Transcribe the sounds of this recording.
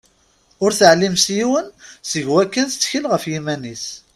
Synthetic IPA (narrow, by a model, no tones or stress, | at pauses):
ʊɾθəʕlːimsjiwənsəʝwækːənst͡sːçəlʁəfjimænis